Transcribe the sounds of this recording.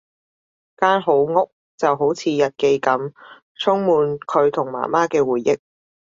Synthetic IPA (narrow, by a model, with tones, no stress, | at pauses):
kaː˥nɦo˨˥wŋʊ˥k̚ | t͡sɐ˨wɦo˨˥wt͡sʰiː˨˧jɐ˨t̚ke˧jkɐ˨˥m | t͡sʰʊ˥ŋmuː˨˧nkʰɵ˨˧ɥt̪ʰʊ˨˩ŋma̰ː˨˩maː˥kɛː˧wuː˨˩jːɪ˥k̚